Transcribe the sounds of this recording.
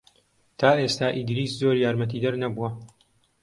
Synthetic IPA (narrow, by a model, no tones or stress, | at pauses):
t̪ʰaːʔe̞ːst̪aːʔid̪ɾiːszo̞ːɾjaːɾmɐt̪̬iːd̪ɐɾnɐbuwɐ